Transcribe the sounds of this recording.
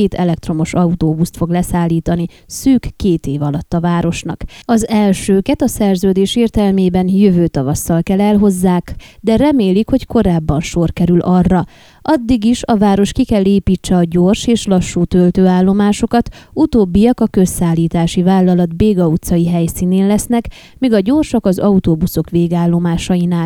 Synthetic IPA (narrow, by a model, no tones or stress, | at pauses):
t̪ʰɛlɛk̚t̪ro̞mo̞ʃɒut̪oːbust̪fo̞ɡlɛsaːlːiːt̪ɒni | syːkːeːt̪eːvɒlɒt̪ːɒvaːɾo̞ʃnɒ̰kɒzɛlʃøːkɛt̪ɒsɛrzøːd̪eːʃeːrt̪ɛlmeːbɛnjøvøːt̪ɒvɒsːɒlkɛlɛlɦo̞zːaːkd̪ɛrɛmeːlikho̞cko̞ɾaːbːɒnʃo̞rkɛɾylʔɒrːɒ | ʔɒd̪ːiɡiʃɒvaːɾo̞ʃkikɛlːeːpiːt͡ʃːɛɒɟo̞rʃeːʃlɒʃːuːt̪ølt̪øːaːlːo̞maːʃo̞kɒt̪ut̪oːbːijɒkɒkø̞sːaːlːiːt̪aːʃivaːlːɒlɒd̪beːɡɒut̪sɒjiɦɛjsiːneːnlɛsnɛk | miɡɒɟo̞rʃɒkɒzɒut̪oːbuso̞kʋeːɡaːlːo̞maːʃɒjinaːl